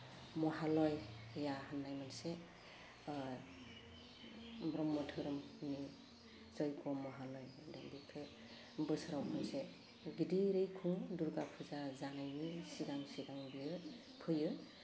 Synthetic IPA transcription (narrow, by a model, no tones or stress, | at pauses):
mɔɦalɔjjaɦanːajmanse | bɾɔmːɔtʰɯɾɔmni | zɔjkɔmɔɦalɔjdaŋbikʰe | bɯsɾawpʰanse | ɡidiɾɯjkʰũŋduɾɡapʰuzazanajnisiɡaŋsiɡaŋbijɯ | pʰɯjɯ